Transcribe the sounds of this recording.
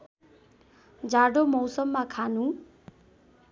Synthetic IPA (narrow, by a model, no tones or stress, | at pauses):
d͡zaɽomʌwsʌmːakʰanũ